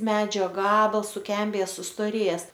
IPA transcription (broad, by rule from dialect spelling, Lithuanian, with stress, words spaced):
ˈmʲæːd͡ʒʲoː ˈɡɑːbɐlˠs sʊˈkʲɛmʲbʲeːjɛ sʊstoːˈrʲeːjɛs